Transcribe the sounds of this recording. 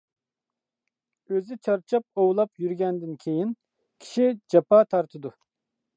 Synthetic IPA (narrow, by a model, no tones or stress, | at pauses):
øzɪt͡ʃʰɑɾt͡ʃʰɑp̚owlˠɑpjyɾɡʲɛnd̪ɪnkʲʰejin | kʲʰi̥ʃid͡ʒɑpʰɑːt̪ʰɑɾt̪ʰɨd̪u